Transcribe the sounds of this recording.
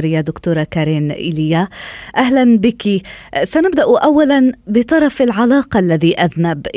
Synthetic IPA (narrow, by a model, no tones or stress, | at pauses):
ɾɪjːad̪ʊkt̪uːɾˤɑkaɾiːnʔɪ̰lɪjːaʔahlanbɪkisanɪbd̪aʔʔawːalanbɪt̪ˤɑɾˤɑfɪlʕalɑːqɑʔlːaðiːʔaðnab